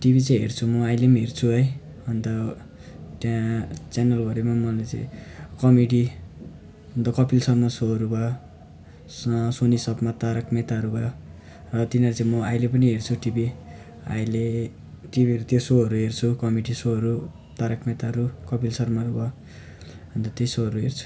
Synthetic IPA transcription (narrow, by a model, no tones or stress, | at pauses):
ʈibit͡saĩɦḛrt͡sʰumʌajlemaɦert͡sʰuɦʌj | ʌnd̪ʌ | tjat͡sjanʌlɡʌɾemamʌlet͡sã̰ĩkʌmeɽi | ʌnt̪ʌkʌpilsʌrmʌsoʌɾubʱʌjo | ssonisʌbmat̪aɾʌkmet̪aʌɾubʱʌjo | rʌt̪inʌɾut͡saĩmʌajlepʌniɦert͡sʰuʈibi | a̰jle | ʈibiʌɾut̪josoɦʌɾuɦert͡sʰukʌmeɖisoɦʌɾu | t̪aɾʌkmet̪aʌɾukʌpilsʌrmaɾubʱʌ | ɦʌnt̪ʌt̪ejsoɦʌɾuɦert͡sʰu̥